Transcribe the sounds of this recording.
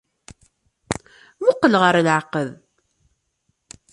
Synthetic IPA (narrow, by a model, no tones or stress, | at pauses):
mʊqːəlʁəɾlʕəqəð